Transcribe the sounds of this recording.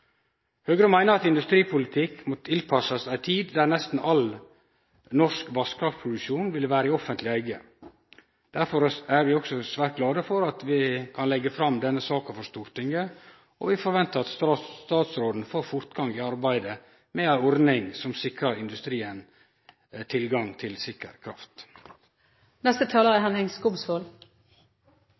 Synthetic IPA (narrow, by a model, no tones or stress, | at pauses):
høːɡəɾəmæɪnəɾɑt̪ɪnd̪ʉst̪ɾiːpʰʊlɪt̪ʰɪkmɔt̪ʰɪlpʰɑsɑsæɪt̪ʰiːd̪d̪æɾnɛst̪n̩ʔɑl | nɔʂkʋɑskʰɾɑft̪pʰɾʊd̪ʉkʃuːnʋɪləʋæːɾəɪɔfənt̪lɪæɪɡə | d̪̥æɾfɔɾæɾʋɪɔksɔsʋæːɾt̪̚ɡlɑːd̪əfɔɾɑt̪ʋɪkʰɑnlɛɡːəfɾɑmd̪ɛnːəsɑːkɑfɔɾʂt̪uːɾt̪ɪŋə | ɔʋɪfɔɾʋɛnt̪əɾɑt̪sst̪ɑːt̪sɾoːd̪n̩foːɾfʊɾt̪ɡɑŋɪɑɾbæɪd̪ə | mɛæɪɔɾnɪŋsɔmsɪkɾəɾɪnd̪ʉst̪ɾiːən | t̪ʰɪlɡɑŋt̪ʰɪlsɪkə̰ɾkʰɾɑ̰ft̪ | nɛst̪ət̪ʰɑːləʁəɦɛnɛŋskʊbsfoːl